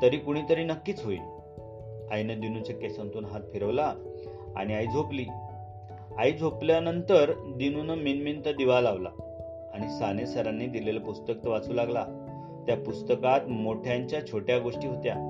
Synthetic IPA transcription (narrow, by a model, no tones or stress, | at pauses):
t̪əɾiːkuɽ̃it̪əɾiːnəkːiːt͡sɦoḭːl | ajnəd̪inut͡ɕekesə̃nt̪uːnɦat̪fʰeɾəʋla | a̰ɽ̃iajd͡zʱopliː | aid͡zʱopljanənt̪əɾd̪inunəminmint̪əd̪iʋalaʋla̰ː | ɽ̃isanesəɾanːiːd̪ilelapust̪ək̚t̪əʋat͡suːlaɡla | t̪japust̪əkat̪moʈʰjaɲt͡ɕjat͡ɕʰoʈjaɡoʂʈiːɦot̪ja